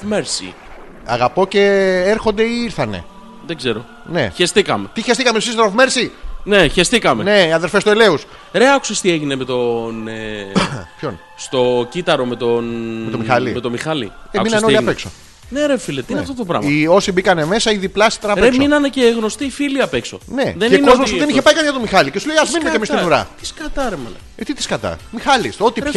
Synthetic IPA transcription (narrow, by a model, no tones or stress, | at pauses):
meɾsḭ | ɐ̰ɣɐpo̞ce̞eɾxo̞nd̪e̞iiɾθɐne̞̰ | ðeɡzeɾo̞̰ | ne̞̰çest̪ikɐmet̪içest̪ikɐmeusist̪ɾofmeɾsineçest̪ikɐmene̞iɐðelfest̪uele̞us | ɾeɐku̥sest̪ieʝinemet̪o̞ne | pçon | st̪o̞cit̪ɐɾo̞met̪onmet̪omixɐlḭmet̪o̞mixɐlḭɾeminɐneoliɐpekso̰ | neɾefilet̪ineɐft̪ot̪opɾɐ̰mio̞sibikɐneme̞sɐiðiplɐsi̥t̪ɾnɐɾesmoinɐneceɣno̞st̪ifiliɐpeksoneðeneikozmospuðeniççepɐikɐnʝɐt̪omixɐlicesuleiɐzminnet̪emisðuɾɐ̰t̪i̥skɐt̪ɐɾemɐlɐ̰ | et̪it̪i̥skɐt̪ɐ̰mixɐlist̪ot̪i